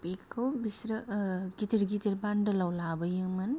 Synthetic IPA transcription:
pikʰːɯwbisɾɯɡitiɾɡiteɾbandɯlawlabɐjɯŋmɐn

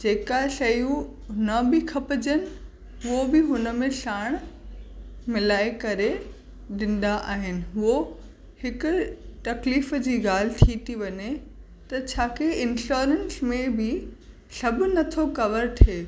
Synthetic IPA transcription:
d͡ʑeːkaʃɐjũ | nɐbɪkʰɐpɪd͡ʑənɪ̆ | ʊobɪɦʊnə̆mẽʃaːɽ̃ | mɪlaːekɐɾe | ɗɪ̃n̆d̪aʔaːɦɪnɪ̆ɦʊɦo | hɪkʊʈ̪ɐkliːfd͡ʑiːɡaːl̤ɪ̆t̪ʰit̪ʰiʋɐɲe | t̪ɐt͡ɕʰaːkeɪnɕoːɾensmẽbɪ | sɐbʱʊ̆nɐt̪ʰokɐʋəɾt̪ʰeː

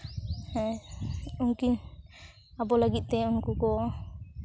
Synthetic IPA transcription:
uŋkiɲ | abɔlaɡit̪̚t̪ɛunkukɔ

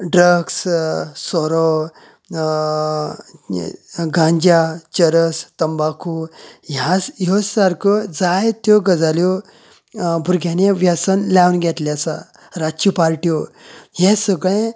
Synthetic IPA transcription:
ɖɾəɡssɔɾɔ | ɡʱãɲd͡ʑjat͡ɕəɾəst̪əmbakʰujãsjɔsaɾkʰɔd͡zajt̪jɔɡəd͡zaljɔ | bʱuɾɡʱjanẽʋjasənlawnɡʱɛʈ̪lasa | ɾat͡ɕipaɾʈijɔɦɛ̃səɡɭẽ

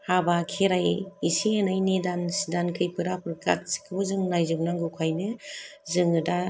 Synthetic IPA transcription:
habakʰeɾajisianajnedansidankʰɯjpɯɾapɯɾka̰t̚si̥kʰɯbɯzɯŋnajzɯpnaŋɡɯkʰajnɯzɯŋɯda

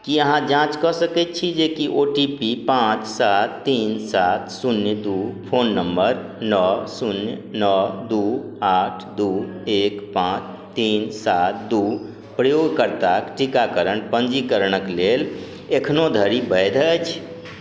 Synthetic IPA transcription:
kiəɦãd͡ʒãt͡ʃkɔsəkɛt̪̚t͡ʃʰid͡ʒekiʔoʈipipãt͡ʃsat̪ːinsat̪ʰsunjd̪upʰonːəmbəɾ | nɔsunjnɔd̪uaʈʰd̪uekpãt͡ʃ | t̪insat̪̚ʰd̪u | pɾəjoɡkəɾt̪akʈikakəɾənpənd͡ʒikəɾɽ̃əklel | ekʰnod̪ʱəɾibəjd̪ʱət͡ʃʰ

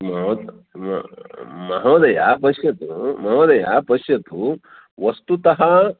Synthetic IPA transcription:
mɐɦɐd̪ | m | mɐɦɐʋd̪ɐja̰pɐʃjɐt̪umɐɦɐʋd̪ɐja̰pɐʃjɐt̪u | ʋɐst̪ut̪ɐɦɐ

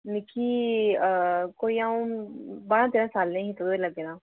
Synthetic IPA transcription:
nɪkʰiː | koːiaːũbaːɾãːt̪eːɾãːsaːlːẽkit̪əd̪oeləɡeːnãː

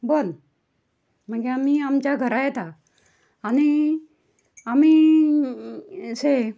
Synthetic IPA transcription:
bən | m̤əɡeamiamt͡ɕjaɡʱəɾajet̪aː | ɽ̃i | amiː | se

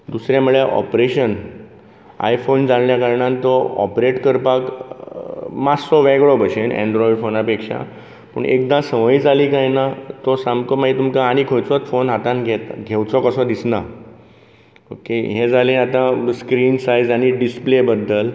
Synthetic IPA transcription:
d̪usɾjamuɭeʔɔ̰pɾeɕən | a̰jfond͡zanljakaɾɳãnt̪ɔɔ̰pɾeʈkəɾpak | maɔʋɛɡɭɔbəɕenɛ̰ɳɖɾɔiɖfonapekʂa̰ | pə̰ɳʔḛkd̪ãsəʋəjd͡zaliːkajnat̪ɔsamkɔmait̪umkaːɽ̃ikʰõjt͡sɔt̪fonɦat̪anɡʱet̪ɡʱewt͡sɔkəsɔd̪isna̰ | o̰keɦẽd͡zalẽat̪ãskɾiːnsajd͡zaɽ̃iɖisplebəd̪ʱːəl

